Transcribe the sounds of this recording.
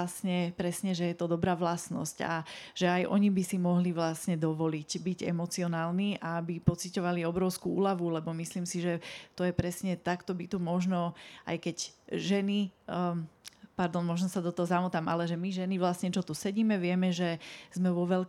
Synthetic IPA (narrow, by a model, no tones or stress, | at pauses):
asɲɛpɾɛsɲɛʒɛjɛt̪ɔd̪ɔbɾaːʋlasnɔ̰sca̰ʒ̥ɛajʔɔ̰ɲibisimɔɦliʋlasɲɛd̪ɔʋɔlicbiɟɛ̰mɔt͡siɔnaːlniʔaabipɔt͡sicɔʋaliɔbɾɔʊskuṵːlaʋulɛbɔmisliːmsiʒɛt̪ɔjɛpɾɛsɲɛt̪akt̪ɔbit̪umɔʒnɔa̰jkɛcʒɛni | paɾd̪ɔnmɔʒnɔsad̪ɔt̪ɔɦɔzamut̪aːmʔalɛʒɛmiʒɛniʋlasɲɛt͡ʃɔt̪usɛɟiːmɛʋɪɛmɛʒɛz̥mɛʋɔʋɛl